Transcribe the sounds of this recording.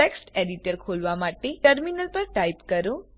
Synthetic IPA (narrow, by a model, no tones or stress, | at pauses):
eksʈeɖiʈəɾkʰolʋamaʈeʈəɾminəlpəɾʈaipkəɾũ